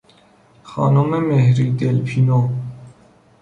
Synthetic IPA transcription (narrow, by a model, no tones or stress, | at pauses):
xɑ̰ːnumemehɾid̪elpʰino